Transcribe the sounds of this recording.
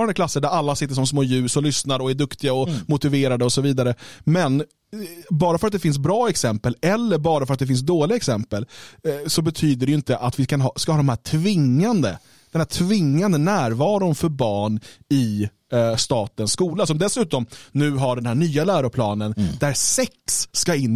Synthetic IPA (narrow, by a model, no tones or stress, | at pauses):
ɾandəkʰlasːəɖæɾalːasɪt̪ːəʂɔmsmoːjʉ̟ːsɔlʏsnaɾɔæɖɵkt̪ɪɡaɔmʊt̪ɪveːɾad̪əɔsɔviːd̪aɾəmɛn | bɑːɾafœɾat̪̚d̪ɛfɪns̬bɾɑːɛksɛmpəlɛlːəɾbɑːɾafœɾat̪̚d̪ɛfɪns̬d̪oːlɪɡaɛksɛmpəlsɔbɛt̪ʰyːd̪əɖɛjʏɪnt̪əʔat̪vɪkʰanɦɑskahɑːd̪ɔmhɦæːʈʰvɪŋːand̪ə | d̪ɛnhæːʈʰvɪŋːand̪ənæːɾvɑːɾʊnfœɾbɑːɳɪ | st̪ɑːt̪ənskuːlasɔmd̪ɛsʉ̟ːt̪ɔmnʉ̟ːɦaɖɛnhæːɳyːalæːɾʊpʰlɑːnənd̪æɾsɛksːkaɪnː